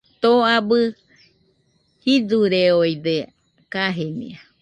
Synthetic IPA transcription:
t̪oabɨ | hid͡zuɾeojd̪e | kaɦenḭ̃a

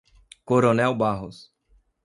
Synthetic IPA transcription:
koɾonɛwbaɦʊs

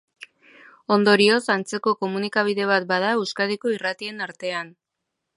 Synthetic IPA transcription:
o̞nd̪o̞ɾio̞sant͡se̞ko̞ko̞munikaβ̞iðe̞β̞at̪̚baðaewskað̞iko̞irat̪ie̞naɾt̪e̞an

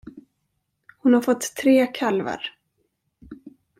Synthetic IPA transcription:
hʊnhaɾfɔt̪ʰːɾeːkʰalva̰ɾ

